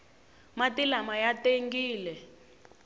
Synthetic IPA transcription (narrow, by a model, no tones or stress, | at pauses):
matilamajateŋɡiːlɛ